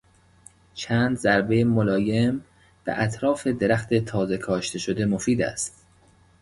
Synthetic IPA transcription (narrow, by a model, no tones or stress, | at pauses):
t͡ʃʰæːnd̪zæɾbe̞jemolɒːje̞m | b̥ḛʔæt̪ʰɾɒːfe̞d̪e̞ɾæxt̪e̞t̪ʰɒːze̞kʰɒːʃt̪ʰe̞ʃod̪e̞mo̞fiːd̪æ̰st̪